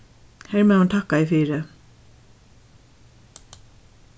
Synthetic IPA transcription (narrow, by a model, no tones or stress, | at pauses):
hɛɾmɛhant̪ʰaːhkaɪfɪɾɪ